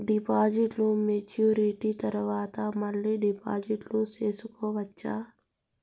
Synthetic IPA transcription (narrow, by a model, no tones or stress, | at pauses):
ɖipaːd͡ʒiʈlumet͡ʃuːɾiʈit̪ɐɾɐʋaːt̪ɐmɐlːiɖipaːd͡ʒiʈluseːsukɔːʋɐt͡ʃːaː